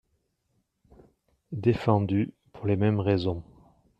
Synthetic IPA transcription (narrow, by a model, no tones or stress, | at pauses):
d̪efɑ̃d̪y | pʰuʁlemɛmʁezɔ̃